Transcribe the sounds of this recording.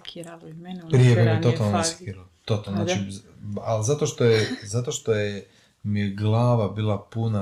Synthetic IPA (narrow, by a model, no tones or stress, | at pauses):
pɾijebomiet̪ot̪alˠnoasi̥kiːɾalt̪ot̪alonaːt͡ʃialzat̪o̞ʃt̪ojezat̪o̞ʃt̪oje | miɡlˠaːʋabiːlˠapuna